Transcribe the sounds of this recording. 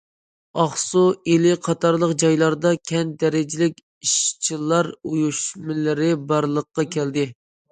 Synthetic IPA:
ɑχsuelɪqʰɑt̪ɑɾlˠəqd͡ʒɑjlˠɑɾd̪ɑkʲʰɛnd̪ɛɾɪd͡ʒɪlɪkʲ | iʃt͡ʃʰilˠɑɾujuʃmɪlɪɾɪbɑɾlˠəqːɑkʲʰɛld̪ɪ

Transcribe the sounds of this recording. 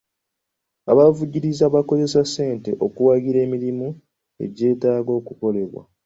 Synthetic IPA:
aβavuɟiɾizaβako̞ze̞sase̞ːnte̞ʔo̞kuwaɡiɾe̞ːmiɾimu | e̞̰ɟe̞ːtaːɡo̞ːkuko̞le̞βwa̰

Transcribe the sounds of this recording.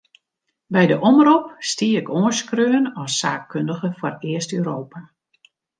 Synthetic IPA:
bɛjdəʔɔmrupstiəɪkoəskrøənɔsaːk̚køndəɣəfɔrɪəstøːɾoːpa

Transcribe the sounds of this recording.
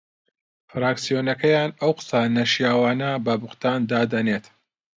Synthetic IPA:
fɾaːksijonɐkɐjaːnɐwqɨ̥sanɐʃijaːwaːnɐbɐbʊqt̪aːnd̪aːd̪ɐnet̪

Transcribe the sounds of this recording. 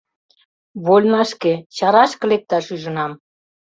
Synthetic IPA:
βolʲnɑʃket͡ɕɑɾɑʃkɤ̆lek̚t̪ɑʃyʒə̆nɑm

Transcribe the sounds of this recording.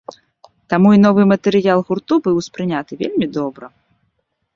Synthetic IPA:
t̪amuinɔvɨmɐt̪ɛɾɨjalˠɣurt̪ubɨwspɾɨnʲat̪ɨvʲelʲmʲid̪ɔbɾɐ

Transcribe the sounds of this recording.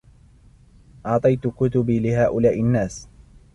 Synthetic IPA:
ʔɑʕt̪ˤɑjt̪ʊkʊt̪ʊbiːlɪhaːʔʊlaːʔɪnːaːs

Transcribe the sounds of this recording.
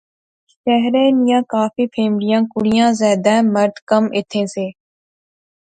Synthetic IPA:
ʃɛɦɾeːnɪjãːkaːfiːpʰeːmɽɪjãːkʊɽɪjãːzɛːd̪ɛːməɾd̪kəmʔɪt̪ʰːẽːseː

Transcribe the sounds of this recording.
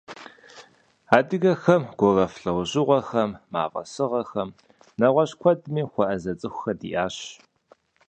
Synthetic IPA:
aːdɨɣɐxɐmɡ̥ʷɔrɐfɬɐwʑɪʁʷɔxɐmːa̰ːvɐ̰sɨʁɐxɐm | nɐʁʷɔɕkʷʰɔdmiːxʷɔʔɐzɐt͡sʼɨxʷxɐdḭːʔaːɕ

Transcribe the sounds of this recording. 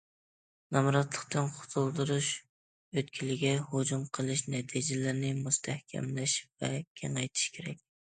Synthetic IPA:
nɑmɾɑt̪lˠəqt̪ɨnqʰʊ̥t̪ʰulˠd̪ɨɾuʃ | øt̪̚kʲʰilɪɡʲɛhod͡ʒumqʰəlˠɨʃnɛt̪ʰid͡ʒɛlɪɾnɪmust̪ʰæhkʲʰɛ̰mlɪʃvɛkʲʰɛŋɛjt̪ʰɪ̥ʃkʲʰeɾɛk̚ʲ

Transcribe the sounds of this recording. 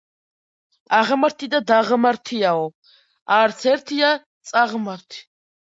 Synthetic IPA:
aʁmaɾt̪ʰid̪ad̪aʁmaɾt̪ʰiaɔ | aɾt̪sʰɛɾt̪ʰia | t̪sʼaʁmaɾt̪ʰ

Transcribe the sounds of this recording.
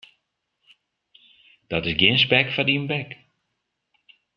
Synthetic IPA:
d̥ɔtɪsɡjɪnspɛkfadiənbɛk

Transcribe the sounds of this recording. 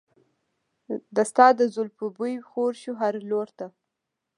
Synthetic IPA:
d̪əst̪ɑd̪əzʊlpubujxoɾʃuɦaɾloɾt̪a

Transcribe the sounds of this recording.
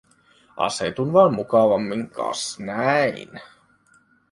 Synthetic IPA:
ɑ̰sḛt̪unʋɑːnmukɑʋɑmːiŋkʰɑ̰snæḭn

